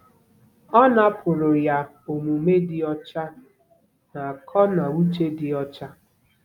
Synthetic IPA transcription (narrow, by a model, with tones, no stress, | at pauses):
ɔ˦na˦pʰʊ˨ɾʊ˨ja˨ | o˨mu˨me˦dɪ˦ɔ˦t͡ʃa˦ | na˨kʰɔ˦na˨u˦t͡ʃe˦dɪ˦ɔ˦t͡ʃa˦